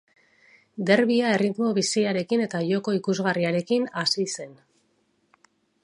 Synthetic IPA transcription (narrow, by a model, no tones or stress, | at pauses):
d̪e̞ɾβiae̞rit̪mo̞βisiaɾe̞kine̞t̪aʝo̞ko̞ikuzɣariaɾe̞kinasise̞n